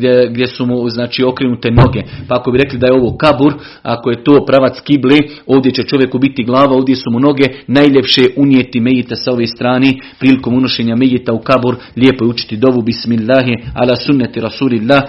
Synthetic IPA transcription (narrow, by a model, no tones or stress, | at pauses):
ɡd̪ʲjesumuznaːt͡ʃiːo̞kɾenut̪e̞no̞ɡe̞paako̞biɾe̞klid̪ajeo̞ʋoːkabuɾ | a̰koje̞t̪oːpɾaʋat̪skibleː | o̞ːʋd̪je̞t͡ɕet͡ʃo̞ʋje̞kubit̪iɡlˠaːʋao̞ːʋd̪ʲje̞sumuno̞ɡe̞najʎepʃeʔunjeːt̪imejit̪asao̞ʋeːst̪ɾaːneːpɾiːliko̞ːmunoʃeːɲamejit̪aukabuɾ | lʲjeːpojut͡ʃi̥t̪id̪o̞ʋubismilːaːɦia̰laːsunːat̪iɾasuːlilːaːh